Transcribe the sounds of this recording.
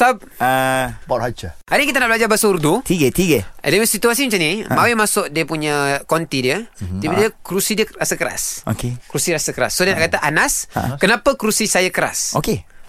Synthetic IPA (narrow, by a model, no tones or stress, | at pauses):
sap̚əbaʔɾhat͡ʃaadikit̪anaʔbəlad͡ʒabasauɾd̪ut̪iɡət̪iɡədəməsit̪uasimət͡ʃanimawɪmasʊʔdiəpuɲəkɔnt̪idiəibədiəkɾusidiəɾasakəɾa̰sokekɾusiɾasakəɾa̰sːodiənaʔkat̪aʔanaskənapəkɾusisajakəɾa̰soke